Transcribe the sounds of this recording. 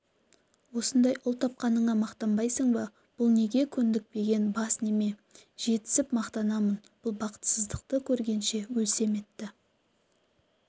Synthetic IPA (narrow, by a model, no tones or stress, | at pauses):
wo̞sənd̪ɑjʔʊlˠt̪ʰɑp̚qɑnəɴɑmɑqt̪ɑmbɑjsəɴbə | b̥ʊlˠne̞ɡʲe̞kʲʰʏnd̪ɪk̚pe̞ɡʲe̞nbɑsne̞me̞ʒ̥e̞t̪ɪ̥sɪpmɑqt̪ɑnɑmənb̥ʊlˠbɑqə̥t̪səzd̪əq̚t̪əkʲʰɵɾɡʲe̞nʃe̞wɵlse̞me̞t̪ːɪ